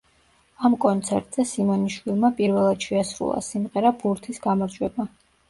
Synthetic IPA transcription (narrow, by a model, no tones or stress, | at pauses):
amkʼɔnt̪sʰɛ̰ɾt̪ʼz̥ɛsimɔniʃwilˠmapʼiɾvɛlˠad̪̥ʃɛasɾṵlˠa̰simʁɛɾabʰuɾt̪ʰisɡamaɾd͡ʒwɛba